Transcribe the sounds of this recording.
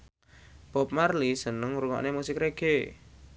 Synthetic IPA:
b̥ɔp̚marlisənəŋɾuŋɔ̰ʔnemusɪkɾeɡ̥e

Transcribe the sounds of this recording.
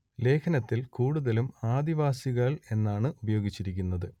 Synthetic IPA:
le̞ːkʰɐnɐt̪ːilkuːɽuðɐlumaːd̪iʋaːsiɣɐɭe̞nːaːɳɨubɐjo̞ːɡit͡ɕːiɾikʲːunːɐðɨ

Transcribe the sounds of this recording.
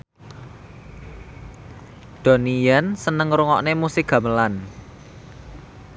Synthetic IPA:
d̪̥o̤nijansənəŋɾuŋɔʔnemusɪkɡ̥ä̤məlan

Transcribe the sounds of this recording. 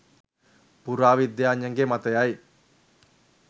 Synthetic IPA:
puɾaːʋid̪jaːɲjɐŋɡemɐt̪ɐjaj

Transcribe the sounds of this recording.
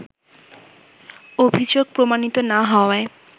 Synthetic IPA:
obʱid͡ʑoɡ̚pɾomanit̪onaɦɔoae

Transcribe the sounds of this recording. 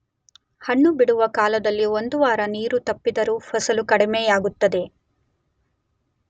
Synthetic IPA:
hɐɳːubiɽuʋɐkaːlɐd̪ɐlːiond̪uʋaːɾɐniːɾut̪ɐpːid̪ɐɾupʰɐsɐlukɐɽimejaːɡut̪ːɐd̪e̞

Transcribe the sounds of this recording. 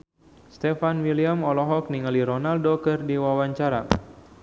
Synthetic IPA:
st̪ɛfanwiliamɔlɔɦɔk̚niŋaliɾɔnaldokɨrdiwawaɲt͡ʃaɾa̰

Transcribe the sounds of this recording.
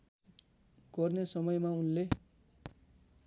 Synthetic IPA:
ɡ̥ʌrnesʌmʌjmaunle

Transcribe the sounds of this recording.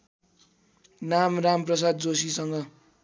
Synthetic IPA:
namramprʌs̬ad̪̚d͡zosisʌŋɡʌ

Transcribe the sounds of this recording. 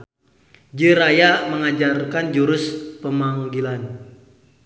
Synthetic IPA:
d͡ʒɨɾajaməŋad͡ʒarkand͡ʒuɾʊspəmaŋɡilan

